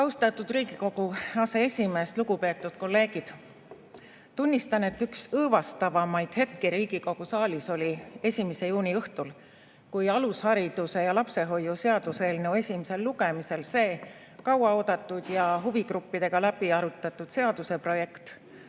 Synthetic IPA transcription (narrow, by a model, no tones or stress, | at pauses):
kɑwst̪ɑt̪ːˑud̪̥riːɡ̥iko̞ɡ̥uɑse̞esʲime̞ːst̪luɡupe̞ːt̪ːˑud̪̥̚ko̞lːe̞ːɡ̥id̪̥ | t̪unʲːist̪ɑne̞t̪ːyksɤːvɑst̪ɑvɑmɑjd̪̥he̞t̪̚keɾiːɡ̥iko̞ɡ̥usɑːlʲiso̞lʲie̞sʲimese̞juːnʲiɤht̪ul | kujɑlushɑɾid̪̥use̞jɑlɑpse̞ɦo̞jːuse̞ɑd̪̥use̞ːlnewe̞sʲimese̞lːuɡe̞mise̞lse̞ː | kɑwɑo̞ːd̪̥ɑt̪ːˑud̪̥jɑɦuviɡɾupːid̪̥e̞ɡ̥ɑlæb̥iɑɾut̪ːˑɑt̪ːˑud̪̥se̞ɑd̪use̞pro̞je̞kt̪